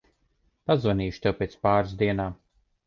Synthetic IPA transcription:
pazvaniːʃt̪ɛwpʲeːt̪spaːɾsd̪iɛnaː

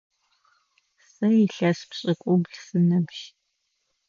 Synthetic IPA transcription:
sɐjɪɬɐspɕʼɪkʷʼʊɡʷɮsɨnɐmʃ

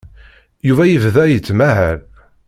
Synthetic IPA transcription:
juvæjəvðæjət͡sːmæɦæɾ

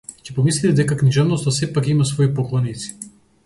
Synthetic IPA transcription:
cɛ̥pɔmislit̪ɛd̪ɛkakniʒɛvnɔst̪asɛpakimasvɔipɔklˠɔnit̪si̥

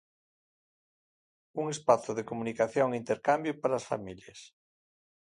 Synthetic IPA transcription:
uŋespaθʊðekomunikaθjoŋint̪eɾkambjʊpaɾaːsfa̰miljɐs

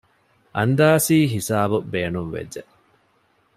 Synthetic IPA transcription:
ʔɐnd̪aːsiːɦisaːbubeːnunʋḛd͡ʒːe

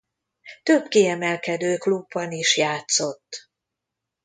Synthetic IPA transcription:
t̪øbkiɛmɛlkɛd̪øːklubːɒniʃjaːt̪so̞t̪ː

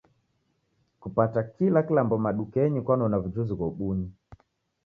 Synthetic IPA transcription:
kupatakilakilambɔmaɗukɛɲikwanɔnavud͡ʒuzikɔɓuɲi

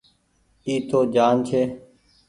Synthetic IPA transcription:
iːt̪ʰoːd͡ʒaːnt͡ʃʰeː

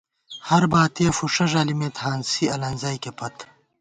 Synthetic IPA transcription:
hɐɾbaːt̪ijɐfuʂɐʐaːlimet̪haːnsiɐlɐnzaːjkepʰɐt̪ʰ

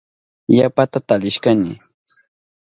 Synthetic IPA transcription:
japat̪at̪alɪʃkanɪ̰

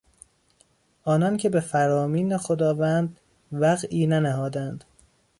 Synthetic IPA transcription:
ʔɒːnɒncʰe̞be̞fæɾɒːmiːnexo̞d̪ɒːvænd̪ | væɣʔiːnænæhɒːd̪ænd̪̥

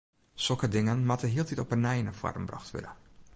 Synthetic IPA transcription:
sɔkədɪŋənmatəɦiəlˠtitɔpənɛjnəfwa̰rmbra̰xtʋɪ̰də

